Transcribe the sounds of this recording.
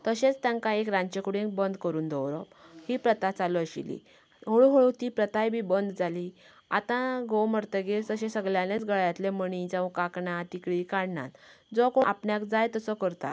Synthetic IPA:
t̪əɕet͡st̪jãŋkãekɾãɲt͡ɕekuɽẽŋk̚bənd̪kəɾuːnd̪əwɾə̰phiːpɾət̪at͡saləɕḭlḭ | ɦoɭuɦoɭut̪iːpɾət̪ajbʱiːbənd̪d͡zali | a̰t̪ãɡowməɾt̪əɡet̪əɕẽsəɡljãlet͡sɡəɭjãt̪leməɳ̃ĩd͡zãʋkakɳãt̪ikɭiːkaɽɳa̰t̪ | d͡zɔkoapɳjakd͡zajt̪əsɔkəɾt̪a̰

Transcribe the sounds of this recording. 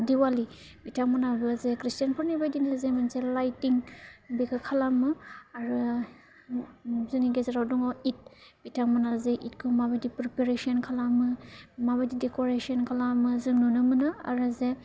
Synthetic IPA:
diwali | bitʰaŋmɔnabɯzekɾistianpʰɔɾnibajdinazemanselajtiŋbikʰɯkʰalamɯaɾɯ | zɯniɡezeɾawduŋɔit̚b̥itʰaŋmɔnazeʔit̚kʰɯmabadipɾipeɾesiɔnkʰalamɯmabadidekoɾesiɔnkʰalamɯzɯnunɯmɯnɯa̰ɾɯze

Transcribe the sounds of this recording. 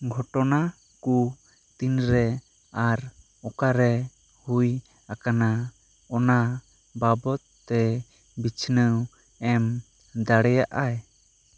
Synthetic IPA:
ɡʱɔʈɔna | ku | t̪inɾɛ | aɾ | ɔkaɾɛ | huj | akana | ɔna | babɔt̪ːɛ | bit͡ʃʰnəw | ɛm | d̪aɽɛjaʔaj

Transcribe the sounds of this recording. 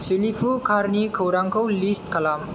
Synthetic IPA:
silipʰukʰaɾnikʰowɾaŋkʰowlisʈ̚kəlam

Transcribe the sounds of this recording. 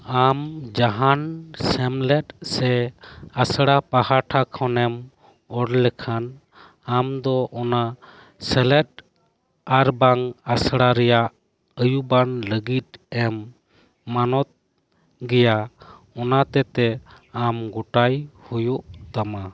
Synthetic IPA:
amd͡ʒaɦansɛmlɛt̪sɛasɽapahaʈʰakʰɔnɛm | ɔɽlɛkʰan | amd̪ɔʔɔna | sɛlɛt̪̚ | aɾbaŋasɽaɾɛjaʔ | əjubanləɡit̪̚ɛmː | anɔt̪̚ | ɡɛja | ɔnat̪ɛt̪ɛ | amɡɔʈajhujuʔt̪ama

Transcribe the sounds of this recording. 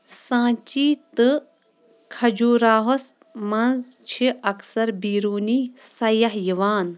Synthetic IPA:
sãːt͡ʃiːt̪ɨ | kʰɐd͡ʒuːɾaːɦos | mɐnzt͡ʃʰiɐksɐɾbiːɾuːniːsɐjɐɦjiʋaːn

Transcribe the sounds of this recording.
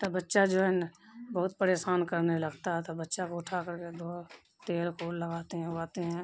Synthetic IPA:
t̪ɐbətːʃad͡ʒoːɦɛnbəɦʊt̪̚pəɾeːsaːnkəɾneləɡt̪aɦɛt̪obətːʃakoʊʈʰakəɾked̪ʱoː | t̪eːlkoːlləɡaːt̪eɦɛ̃aːt̪eɦɛ̃ː

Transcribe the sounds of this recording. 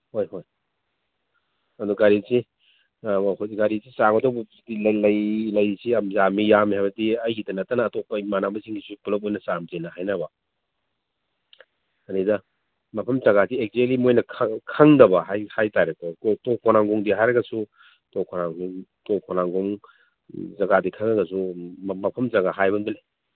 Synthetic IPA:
hojɦoj | ɐduɡaɾisi | hojiɡaɾisisaŋɔdɐwbɐ | dilɐjlɐjlɐjsiɐmzamijamiɦajbɐdiɐjɡidɐnɐtːɐnɐːtɔpːɐimanabɐziŋɡisupulɐp̬̚ojnɐsamzenɐhajnɐbɐ | ɐnidɐ | mɐpʰɐmzɐɡadiek̚zelimojnɐkʰkʰɐŋdɐbɐɦajhajtajɾɐkoktokʰɔnaŋɡuŋdiɦajɾɐɡɐsu | tokʰonaŋuŋtokʰɔnaŋɡuŋ | zɐɡadikʰɐŋɾɐɡɐsumɐpʰɐmzɐɡaɦajbɐnbɐle

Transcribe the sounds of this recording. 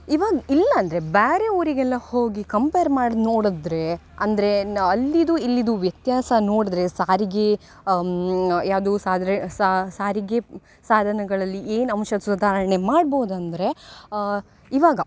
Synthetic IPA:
iʋaːɡɐilːɐːnd̪ɐɾebaːɾeoːɾiɡɛlːɐhoːɡikɐmpejɐɾmaːɖnoːɽud̪ɾe̞ | ɐnd̪ɐɾe̞ɐlːid̪uilːid̪uʋjɐt̪jaːsɐnoːɽd̪ɾe̞saːɾiɡe | jaːʋd̪usaːd̪ʱsasaːɾiɡe | saːd̪ʱɐnɐɡɐɭɐlːiʔeːnɐmʃɐd̪sud̪ʱaːɾɐɐɳe̞maːɖboːd̪ɐnd̪ɐɾe̞ | iʋaːɡɐ

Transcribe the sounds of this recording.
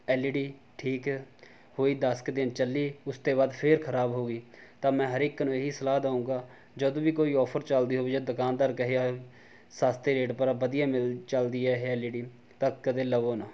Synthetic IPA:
ɛːliɖiː | ʈʰiːk | hoːiːd̪əskd̪ɪnt͡ʃəlːiːʊst̪eːβaːd̪pʰɪɾkʰəɾaːbɦoːɡiːt̪ãːmɛ̃ːɦəɾɪkːnũːeɦiːsəlaːd̪aːũːɡaː | d͡ʒəd̪õːʋiːkoːiːɔːpʰəɾt͡ʃəld̪iːɦoːʋiːd͡ʒad̪ʊkaːnd̪aːɾkəɦeːaː | saːst̪eːɾeːʈpəɾaːbəd̪ɪjãːmɪlt͡ʃəld̪iːɛːɦeɛːliːɖiː | t̪akəd̪eːləʋoːnaː

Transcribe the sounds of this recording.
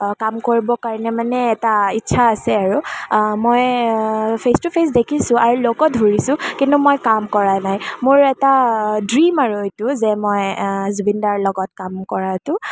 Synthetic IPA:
kamkoɹibɔkaɹɔnɛmanɛːtaitːʃʰaːsɛaɹumoj | pʰestupʰes̬dekʰisʊ̃aɹulokɔdʱuɹisʊ̃kintumojkamkɔɹanajmoɹɛtadɹimaɹuetʊzɛmojzbindaɹlɔɡɔt̚kamkɔɹatʊ

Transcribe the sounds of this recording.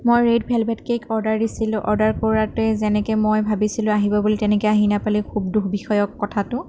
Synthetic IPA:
mojɹedbʱɛlbɛtkekʰɔɹdaɹdisilʊ̃ʔɔɹdaɹkoɹatʊɛzɛnɛkɛmojbʱabisilʊ̃aɦibɔbulitɛnɛkɛaɦinapalikʰub̚duxbixɔjɔkːɔtʰatʊ

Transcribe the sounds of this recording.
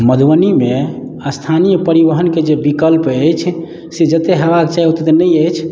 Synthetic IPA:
məd̪ʱwənime | əst̪ʰanijəpəɾiʋəɦənked͡ʒebikəlpəjt͡ʃʰ | sed͡ʒət̪eɦəβakt͡ʃajɦot̪et̪enəjəjt͡ʃʰ

